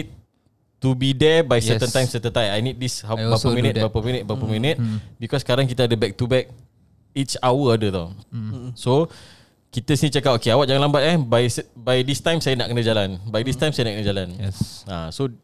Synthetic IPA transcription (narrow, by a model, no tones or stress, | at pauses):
it̚ | t̪ubidɛbajsɛtənt̪ajmsɛt̪ənt̪ajajnit̪̚dishaaəminit̪̚bapəminət̪̚bapəminət̪̚bikɔskaɾaŋkit̪əadəbɛk̚t̪ubɛk̚ | it͡ʃawəadət̪ɔ | so | kit̪əsinit͡ʃəkap̚okeawaʔ̚d͡ʒaŋanlambat̪̚ɛhbajsbajdist̪ãjmsajənaʔkənəd͡ʒalanbajdist̪ajmsajənaʔkənəd͡ʒalanɛaso